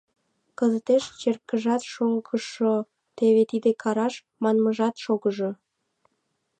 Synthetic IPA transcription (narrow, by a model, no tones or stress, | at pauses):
kəzət̪eʃt͡ɕerkəʒɑt̪ʃoŋɡəʃo | t̪eβet̪id̪ekʰɑɾɑʃ | mɑnməʒɑt̪ʃoɣəʒo